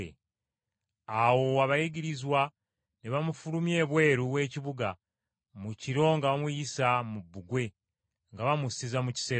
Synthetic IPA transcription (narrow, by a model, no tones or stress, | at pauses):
ḛ | awo̞aβajiɟiɾizwa | niβamufulumje̞ːβwe̞ːɾuβwe̞ːciβuɡa | muciɾo̞ŋɡaβamwijisamubːuɡwe̞ | ŋɡaβamusizamuci̥se